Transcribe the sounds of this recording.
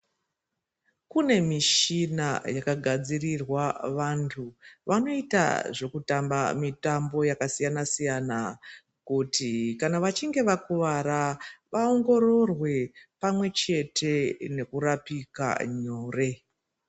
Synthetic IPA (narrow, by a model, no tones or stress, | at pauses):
kune̞miʃinajakaɡʱad͡zirirwaʋantʰuʋano̞ita̰ʐe̞kutamba̰mitambo̞jakasijanasijana | kutikanaʋat͡ʃiŋɡe̞ʋakuʋaɾaʋao̞ŋɡo̞ɾo̞rwe̞pamwe̞t͡ʃe̞te̞ne̞kurapika̰ɲoːre̞